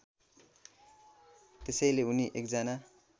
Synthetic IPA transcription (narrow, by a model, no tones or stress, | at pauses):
t̪esʌjleuniʔekd͡zʌna